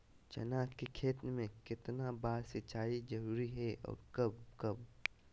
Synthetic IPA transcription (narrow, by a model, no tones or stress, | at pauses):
t͡ʃɐ̰naːkkekʰeːt̪nmẽkɪt̪nabaːɾsɪt͡ʃaːizɐɾuːɾiɦɛɔ̰ːɾkɐbkɐb